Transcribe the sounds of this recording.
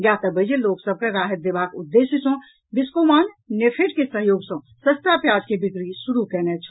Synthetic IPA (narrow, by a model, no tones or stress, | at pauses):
jat̪əbəd͡ʒeloksəb̚keɾaɦət̪̚d̪ebakud̪ːesəsõ | biskomannepʰeʈkesəɦjoːɡsə̃ | səst̪apjad͡ʒkebikɾisuɾukɛnɛt͡ʃʰ